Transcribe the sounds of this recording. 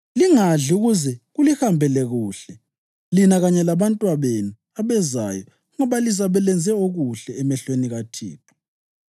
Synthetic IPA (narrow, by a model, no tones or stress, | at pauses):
liŋaɮuɣuzɛɣulihambʱɛlɛɣuːɬɛ | linaɣaɲɛlaβantʼwaβenu | aβɛza̰jɔ | ŋɔβalisaβɛlɛnd͡zʱɛoɣuɬɛːmɛɬweniɣatʰḭːpʰɔ̥